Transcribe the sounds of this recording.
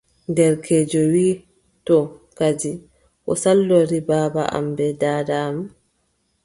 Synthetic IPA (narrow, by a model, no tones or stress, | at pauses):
ndɛɾkʰed͡ʒɔwiː | tɔkad͡ʒi | ʔɔ̰salːɔɾibaːbaʔa̰mbɛdaːdaːma